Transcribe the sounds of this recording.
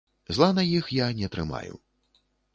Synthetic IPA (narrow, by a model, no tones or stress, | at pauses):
zlˠanɐjixjanʲɛt̪ɾɨma̰jṵ